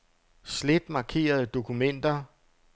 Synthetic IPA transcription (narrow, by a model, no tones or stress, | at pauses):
sled̥mɑ̈kʰe̝̰ːɐð̞̩ˠd̥o̝kʰumen̰d̥ɐ